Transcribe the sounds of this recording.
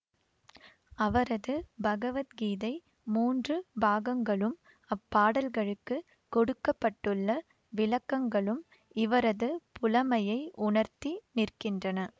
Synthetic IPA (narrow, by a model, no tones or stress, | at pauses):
ɐʋɐɾɐðɯbɐɣɐʋɐt̪ɡiːðɐɪ | muːndrɯbaːɣɐŋɡɐɭɯm | ɐpːaːɽɐlɣɐɭɯkːɯ | kɔɽɯkːɐpːɐʈːɯɭːɐ | ʋɪlɐkːɐŋɡɐɭɯm | ɪʋɐɾɐðɯpʊlɐmɐjɐɪʔʊɳɐɾt̪inɪrkɪndrɐnɐ